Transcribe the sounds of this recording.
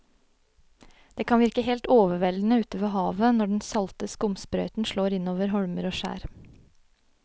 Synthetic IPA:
d̪̥eːkʰɑnʋɪɾkəɦeːlt̪oːʋəʋɛln̩əʉːt̪əʋəɦɑːʋənɔɖɛnsɑlt̪əskʊmspɾœʏt̪n̩ʃloːɾɪnoːʋəɾɦɔɽməɾoːʃæ̰ːɾ

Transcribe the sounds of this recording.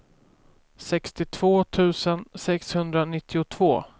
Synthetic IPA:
sɛkst̪ɪt̪ʰv̥oːt̪ʰʉ̟ːsənsɛkshɵnd̪ɾanɪt̪ʰːɪʊt̪ʰv̥o̰ː

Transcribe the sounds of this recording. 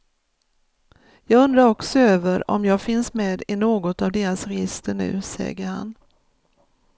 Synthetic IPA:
jɑːɡɵnd̪ɾaɾɔksɔøːvəɾɔ̰mjɑːɡfɪnsmeːd̪ɪnoːɡɔt̪avd̪eːɾasɾɛjɪst̪əɳʉ̟̰ːsɛ̰ɡəɾha̰n

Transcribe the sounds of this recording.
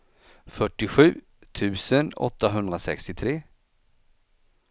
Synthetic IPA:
fœʈːɪɧʉ̟ː | t̪ʰʉ̟ːsənɔ̰t̪ːaɦɵnd̪ɾasɛ̰kst̪ɪt̪ʰɾeː

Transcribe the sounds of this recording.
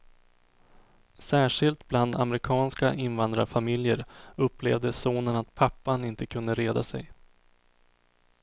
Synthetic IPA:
sæːʂɪlt̪bland̪a̰mɾɪkʰɑːnskaʔɪnvand̪ɾaɾfamɪljəɾɵpːleːvd̪əsuːnənat̪̚pʰapːanɪnt̪əkʰɵnd̪əɾeːd̪asɛ̰j

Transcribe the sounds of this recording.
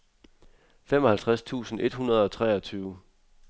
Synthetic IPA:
femɒ̽hælt͡sʰʁast͡sʰṵːsn̩e̝d̥hunɐð̞ˠɒ̽t͡sʰʁɛːɒ̽t͡sʰyːʊ

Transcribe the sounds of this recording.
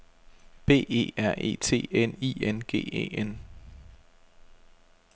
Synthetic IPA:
b̥e̝̰ːe̝̰ːæɐ̰ʔe̝̰ːt͡sʰe̝̰ːenienɡ̥e̝̰ːḛːen

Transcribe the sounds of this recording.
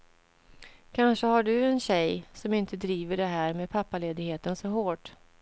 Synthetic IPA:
kʰanʂəhaɖɵɛnɕɛjsɔmɪnt̪əd̪ɾiːvəɖɛɦæːɾmeːd̪̚pʰapːaleːd̪ɪɡheːt̪ənsɔɦoːʈ

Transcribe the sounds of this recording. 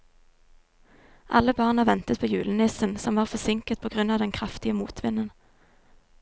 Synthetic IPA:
ʔɑ̰ləbɑːʁnɑːʋɛnt̪ət̪̚pʰoːjʉːlənɪsənsɔmʋɑːʁfɔsɪŋkət̪̚pʰoːɡʁʉnɑːʋd̪ɛnkʰʁɑft̪ɪəmuːt̪ʰʋɪnən

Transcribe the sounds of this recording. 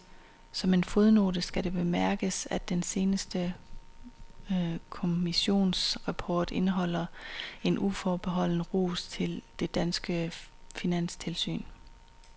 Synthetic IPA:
sɒ̽me̝nfoðˠno̝ːd̥əsɡ̥æɾ̥e̝b̥e̝mæɐɡ̥əsæd̥ense̝ːnəsd̥ə | kʰo̝miɕo̝̰ːnsʁɑpʰɒːd̥e̝nəɦɒ̽l̰ɐe̝nʔufɒːb̥e̝ɦɒ̽l̰n̩əʁo̰ːst͡sʰe̝ld̥e̝d̥ænsɡ̥əfinæn̰st͡sʰe̝lsy̰ːn

